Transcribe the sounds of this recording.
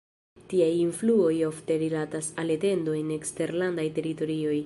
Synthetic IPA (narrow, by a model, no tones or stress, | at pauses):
tiajinfluo̞jo̞fte̞ɾilatasale̞te̞ndo̞ene̞kste̞ɾlandajte̞ɾito̞ɾio̞j